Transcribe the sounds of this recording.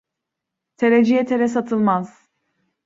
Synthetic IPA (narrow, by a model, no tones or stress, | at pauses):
t̪ʰeɾed͡ʒijɛt̪ʰeɾɛsat̪ʰɯlˠmaz̥